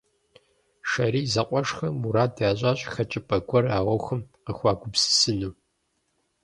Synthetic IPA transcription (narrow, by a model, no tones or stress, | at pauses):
ʃɐɾiːzɐqʷʼɔʂxɐmuɾaːdaːɕ̬ʼaːɕʼxɐt͡ʃʼɪpʼɐɡʷɔraːʁʷɔxɐmqəxʷɑːɡʷʊbsɨ̥sɨnuː